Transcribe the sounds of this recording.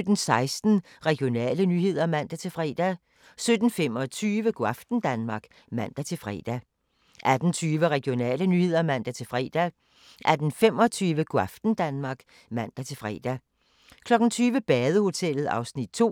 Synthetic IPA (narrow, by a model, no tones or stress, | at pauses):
ød̥n̩sɑ̈ɪsd̥n̩ | ʁɛɡ̥jo̝nɛ̰ːlənyːhe̝ð̞̰ˠɐmæn̰d̥æt͡sʰe̝lfʁɛ̰ːd̥æ | sød̥n̩fem̰ɒt͡sʰyːʋəɡ̥oafd̥n̩d̥ænmɑ̈ɡ̥ | mæn̰d̥æt͡sʰe̝fʁ̰ːd̥æ | ʔæd̥n̩t͡sʰyːʋəʁɛɡ̥jo̝nɛ̰ːlənyhe̝ð̞̰ˠɐmæn̰d̥æt͡sʰe̝lfʁɛ̰ːd̥æ | ʔæd̥n̩fem̰ɒ̽t͡sʰyːʋəɡ̥oɑfd̥n̩d̥ænmɑ̈ɡ̥ | mæn̰d̥æt͡sʰe̝lfʁɛ̰ːd̥æ | kʰlɒ̽ɡ̥n̩t͡sʰyːʋəb̥ɛːð̞ˠəho̝t͡sʰel̰ð̞̩ˠɑ̈ʊsnid̥̚t͡sʰo̝̰ː